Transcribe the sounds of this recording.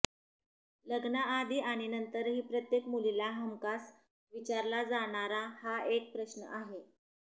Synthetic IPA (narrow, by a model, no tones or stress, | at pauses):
ləɡnaːd̪ʱiːʔaɽ̃inənt̪əɾɦiːpɾət̪jekmulilaɦəmkas | ʋit͡ɕaɾlad͡zaɽ̃aɾahaek̚pɾəɕnə̰ʔaɦe